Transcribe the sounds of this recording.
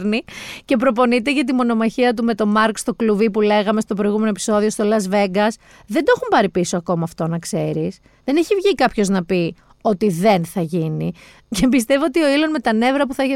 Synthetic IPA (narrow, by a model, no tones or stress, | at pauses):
ɾnice̞pɾo̞p̬o̞nit̪e̞ʝɐt̪̬imo̞no̞mɐçiɐt̪̬ume̞t̪o̞mɐɾkst̪o̞kluvipule̞ɣɐme̞st̪o̞pɾojɣume̞noepi̥so̞ðio̞st̪o̞lɐzve̞ɡɐs | ðe̞nd̪o̞xumpɐɾipiso̞ɐko̞mɐːft̪o̞nɐkse̞ɾis | ðe̞ne̞çivʝikɐpço̞znɐpi | o̞t̪iðe̞nθɐʝini | cebist̪e̞voot̪io̞ilo̞zme̞t̪ɐne̞vɾɐpuθɐeçe